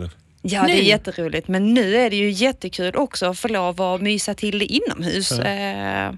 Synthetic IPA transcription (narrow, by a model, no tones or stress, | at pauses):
jɑd̪ɛjɛt̪ːəɾuːlɪt̪mɛnːʉ̟ːæɖɛjɵjɛt̪ːəkʰʉ̟ːlʔɔksɔɔfoːɭoːvamyːsat̪ʰɪld̪ɛʔɪnːɔ̰mɦʉ̟ːs